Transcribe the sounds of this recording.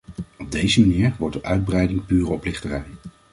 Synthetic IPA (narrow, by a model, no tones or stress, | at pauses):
ɔb̚dejzəmaniːɹʋɔɹtdəʔœɥd̚brɛjdɪŋpyːrəɔplɪχtərɛj